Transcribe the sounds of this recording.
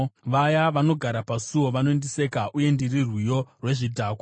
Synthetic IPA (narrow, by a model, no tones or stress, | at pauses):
ʋajaʋano̞ɡʱaɾapasuwoʋanoendise̞kaʔuje̞ndirirwijo̞rwe̞ʐidʱaːko